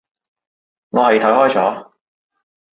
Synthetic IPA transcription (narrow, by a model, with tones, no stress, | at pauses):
ŋɔː˨˧hɐ˨jt̪ʰɐ˨˥hɔː˥jt͡sɔː˨˥